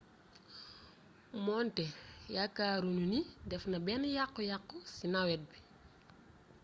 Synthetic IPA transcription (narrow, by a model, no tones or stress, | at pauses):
mɔntɛjakːaːɾununidɛfnɐbɛnjaqːɔjaqːusinawɛt̚bi